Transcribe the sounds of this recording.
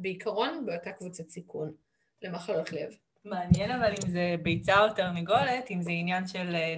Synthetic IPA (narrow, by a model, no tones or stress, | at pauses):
beikʰaʁo̞nbeotakvut͡sat͡sikʰun | lemaχalotlev | meanjenavalimzebejt͡saoteʁniɡo̞letimzeinjanʃel